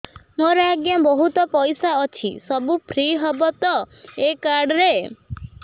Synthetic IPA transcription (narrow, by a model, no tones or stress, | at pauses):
moɾɔaɡjabɔɦut̪ɔpɔjsaɔt͡ʃʰḭsɔbupʰɾiɦɔbɔt̪ɔ | ekaɾɖɾe